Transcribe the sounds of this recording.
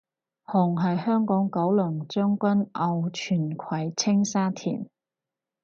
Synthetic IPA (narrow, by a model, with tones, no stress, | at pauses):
hɔ˨˩ŋɦɐ˨jhœː˥ŋkɔː˨˥ŋkɐ˨˥wlɵː˨˩ŋt͡sœː˥ŋkʷɐ˥nʔɐ˨˧wt͡ʃʰyː˨˩nkʰɐ˨˥jt͡sʰɪ˥ŋsaː˥t̪ʰḭː˨˩n